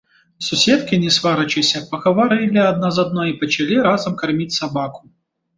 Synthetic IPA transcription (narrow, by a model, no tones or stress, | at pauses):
sʊsʲɛt̪kɪnʲɛsʋaɾɐt͡ʃɪsʲɐpɐɣɐvɐɾɪlʲɪɐd̪̚nazɐd̪nɔjipɐt͡ʃɐlʲiɾazɐmkɐrmʲitʲsɐbakʊ̥